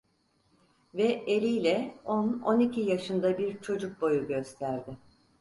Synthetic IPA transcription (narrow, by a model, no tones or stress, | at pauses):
vɛelʲijlʲɛo̞no̞nicʰijaʃɯnd̪abiɾt͡ʃʰo̞d͡ʒuk̚bo̞juɟø̞st̪ʰæɾd̪ɪ